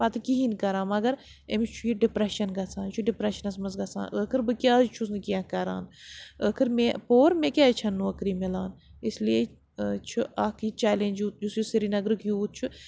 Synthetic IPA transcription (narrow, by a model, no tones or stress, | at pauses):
pɐt̪ɨkiɦinkɐɾaːmɐɡɐɾ | emt͡ʃʰujiɖɪpɾeʃɐnɡɐsʰaːnt͡ʃʰuɖipɾeʃɐnɐsmɐzɡɐsa̰ːnəkʰɨɾbɨkʲjaːt͡ʃʰus̬nɨkijãːkɐɾa̰ːnəkʰɨɾmepoːɾmẽkʲaːt͡ʃʰɐnːũɐkɾiːmilaːnɪslie | t͡ʃʰuʔaːkiːt͡ʃaːlẽnʲd͡ʒut̪d͡ʒusjusiɾinɐɡɾɨkjuːt̪̚t͡ʃʰu